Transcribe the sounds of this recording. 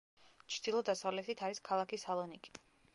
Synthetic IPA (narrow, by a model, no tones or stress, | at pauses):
t͡ʃʰd̪̥ilˠɔd̪asavlɛt̪ʰit̪ʰaɾiskʰalˠakʰisalˠɔnikʼi̥